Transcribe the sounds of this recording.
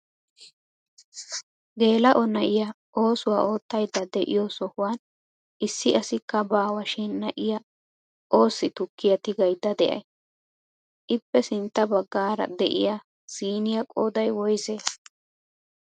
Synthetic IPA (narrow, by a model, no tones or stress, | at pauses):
ɡe̞ːlɐʔɔnɐʔɪjɐ | ʔo̞ːsʊwa̰ːʔo̞ːt̪ːɐjd̪ːɐd̪ɛʔɪ̰josɔhʊwan | ʔɪsːɪɐsɪkːɐbaːwɐʃɪnːɐʔɪjɐ | ʔo̞ːsːɪt̪ʊkːɪjɐt̪ɪɡɐjd̪ːɐd̪ɛʔɐ̰j | ʔɪpːɛsɪnt̪ːɐbɐɡːaːɾɐ̰d̪ɛʔɪ̰ja | siːnɪjɐkʼoːd̪ɐjwɔjzeːs